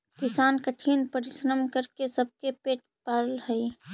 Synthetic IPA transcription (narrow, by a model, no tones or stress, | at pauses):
kɪsaːnkəʈʰiːnpəɾɪʃɾəmkəɾkesəb̚kepeːʈ | pəɾlhəi